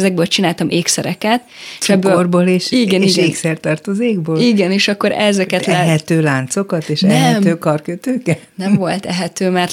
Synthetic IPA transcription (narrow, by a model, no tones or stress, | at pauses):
zɛɡ̚bøːlt͡ʃinaːlt̪ɒmʔeːksɛɾɛ̰kɛt̪ʃɛbbøːlorboːleːʃiɡɛniɡɛnːksɛrt̪ɒrt̪ozeːɡboːliɡɛneːʃɒkːo̞ɾɛzɛkɛt̪lɛɛɦɛt̪øːlaːnt̪so̞kɒt̪eːʃɛɛɛmøːkɒrkøt̪øːkɛtnɛmvo̞lt̪ɛɦɛt̪øːmɛr